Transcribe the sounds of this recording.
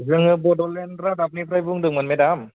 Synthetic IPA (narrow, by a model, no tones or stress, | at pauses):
zɯŋɯbɔdɔlenɾadap̚nipʰɾajbuŋdɯŋmanmedam